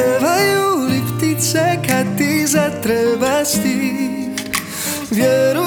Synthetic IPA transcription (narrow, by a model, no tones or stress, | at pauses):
vajulift̪it̪sɛkat̪ːizat̪ɾəbast̪i | vjəɾu